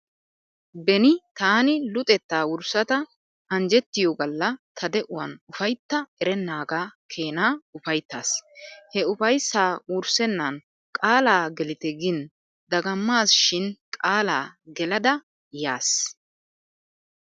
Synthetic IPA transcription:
bɛnɪt̪aːnɪlʊt̪ʼɛt̪ːaːwʊɾsɐt̪ɐ | ɐnd͡ʒɛt̪ːɪjoɡɐlːɐt̪ʰɐd̪ɛʔʊwɐ̰nʊfɐjt̪ːɐɛɾɛnːaːɡaːkʰeːnaːʊfɐjt̪ːa̰ːshɛʊfɐjsːaːwʊɾsɛnːɐn | kʼaːlaːɡɛlɪt̪ɛɡɪn | d̪ɐɡɐmːaːsʃɪnkʼaːlaːɡɛlɐd̪ɐ | jaːs

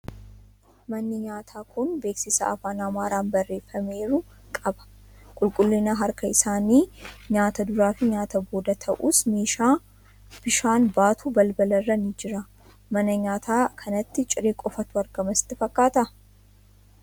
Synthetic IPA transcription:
mɐnːɪɲaːt̪ʰaːkʰʊnbe̞ːksɪsɐ̰ɐ̰faːnɐmaːɾaːnbɐrːe̞ːfːɐme̞ːɾʊ | kʼɐbɐ̥ | kʼʊlkʼʊlːɪnaɦɐɾkɐɪsaːniːɲaːt̪ɐd̪ʊɾaːfɪɲaːt̪ɐbo̞ːd̪ɐt̪ʰɐʔuːsmeːʃaː | b̥ɪʃaːnbaːt̪ʰuːbɐlbɐlɐrːɐnɪd͡ʒɪɾɐ | mɐnɐɲaːt̪ʰaːkʰɐnɐt̪ːɪt͡ʃʼɪɾeːkʼɔfɐt̪ʊɐɾɡɐmɐsɪ̥t̪ːɪfɐkːaːt̪ɐ

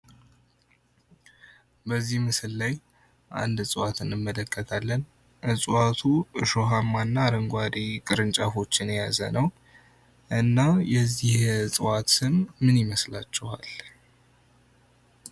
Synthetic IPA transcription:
bəzːihmɨsɨlːaj | ʔa̰nd̪sʼɨwat̪ʰɨnɨmːələkʼːət̪ʰalːən | ʔɨsʼɨwat̪ʰuʔɨʃoɦamːanːaɾəŋɡʷad̪ikʼɨɾɨnt͡ʃʼafo̞t͡ʃːɪnjazə̰nəw | ʔɨnːajɛzːihsʼɨwat̪sɨmːɨnjɪməslat͡ʃːɛha̰l

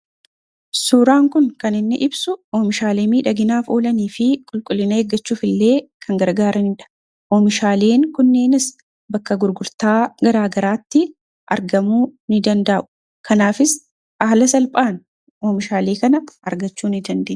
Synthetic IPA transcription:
suːɾaːŋkʊnkɐnɪnːɪʔɪbsʊoːmɪʃaːleːmiːᶑɐɡɪnaːfo̞ːlɐniːfɪkʼʊlkʼʊlːɪnɐeːɡːɐt͡ʃːuːfɪlːe̞ːkʰɐŋɡɐɾɡaːɾɐnɪnᶑɐ̥ | ʔoːmɪʃaːle̞ːŋkʊnːeːnɪs | bɐkːɐɡʊɾɡʊɾt̪aːɡɐɾaːɡɐɾaːt̪ːɪ | ʔɐ̰ɾɡɐmuːnɪd̪ɐnd̪ɐʔʔʊ̥ | kɐnaːfɪs | ʔaːlɐsɐlpʼaːn | ʔoːmɪʃaːleːkɐnɐʔɐɾɡɐt͡ʃːuːnɪd̪ɐnd̪eːn

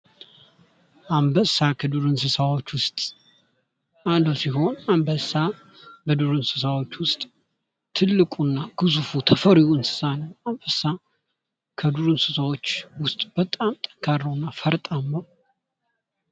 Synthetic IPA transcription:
ʔambəsakʰəd̪uɾɨnsɨsawo̞t͡ʃːwʊst̪ʼ | and̪əwsiɦo̞nambəsa | bəd̪uɾɨnsɨs̬awo̞t͡ʃːwʊst̪ʼ | t̪ʰɨlːɨkʼunːaɡ̥ɨzufut̪ʰəfəɾiɨnsɨ̥sanəwambəsa | kʰəd̪uɾɨnsɨsawo̞t͡ʃːwʊst̪ʼb̥ət̪ʼamt̪ʼə̥ŋkʰaɾːəwnːafəɾt̪ʼamːəw

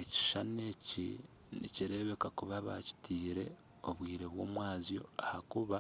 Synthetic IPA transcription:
eci̥ʃane̞ːci | nḭciɾe̞βe̞kakuβaβa̰ci̥tʰiːɾe̞ | o̞βwiːɾe̞βwo̞ːmwaːzjo̞̰ahakuβa

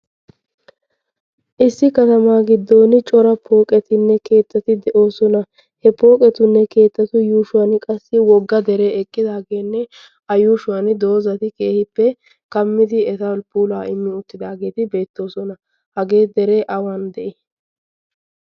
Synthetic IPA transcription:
ʔɪsːɪkɐt̪ɐmaːɡɪd̪ːoːnt͡ʃʼɔɾɐpʰo̞ːkʼɛt̪ɪnːɛke̞ːt̪ːɐt̪ɪd̪ɛʔo̞ːsɔnɐ | hɛpo̞ːkʼɛt̪ʊnːɛke̞ːt̪ːɐt̪ʊjuːʃʊwɐnkʼɐsːɪwɔɡːɐd̪ɛɾeːɛkʼːɪd̪aːɡe̞ːnːɛ | ɐjuːʃʊwɐnd̪o̞ːzɐt̪ɪkeːhɪpːɛ | kɐmːɪd̪ɪɛt̪ɐlpuːlaːʔɪmːɪʊt̪ːɪd̪aːɡe̞ːt̪ɪbe̞ːt̪ːo̞ːsɔnɐ | hɐɡe̞ːd̪ɛɾe̞ːʔɐwaːnd̪ɛʔɛ

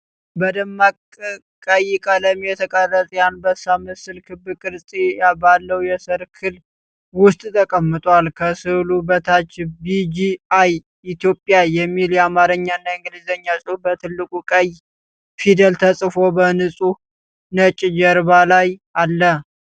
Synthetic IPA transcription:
bəd̪əmːakʼ | kʼəjkʼələmjɛt̪ʰəkʼərːət̪ʼjanbəsamɨsɨlkʰɨbɨkʼɨɾsʼijabalːəwjɛsəɾkʰɨl | wʊst̪ʼt̪ʰəkʼəmːɨt̪ʼwalkʰəsɨlubət̪ʰat͡ʃːbid͡ʒiaj | it̪jo̞pʼjaːɛmːiljɛamaɾɨɲːanːaɨŋɡɨlizəɲːasʼɨbət̪ʰɨlːɨkʼukʼəj | fid̪əlt̪ʰəsʼɨfo̞bənɨsʼu | nət͡ʃʼd͡ʒəɾbalajʔalːə

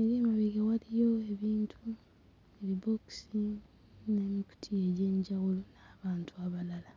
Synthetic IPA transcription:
eɾiemaβiɡawalijo̞eβiːntʰu | iɾiboksi | ne̞ːmiku̥tʰie̞ɟe̞ːɲɟawulonaːβaːntʰuaβalala

